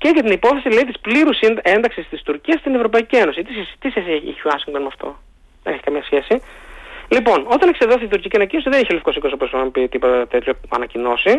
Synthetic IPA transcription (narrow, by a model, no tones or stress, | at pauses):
ce̞ʝɐt̪inipo̞θesileit̪ispliɾuse̞nd̪ɐksist̪ist̪uɾciɐst̪ine̞vɾo̞pɐicie̞no̞sit̪isest̪iseseḛçoɐsiŋɡt̪o̞nmɐft̪o̞̰ | ðeneçikɐmɲɐsçe̞si | lipo̞no̞t̪ɐnekseðoθiit̪uɾciciɐnɐcino̞siðeniçeolifikosikooposoɐmpit̪ipot̪ɐt̪e̞t̪çoɐ̰nɐcino̞si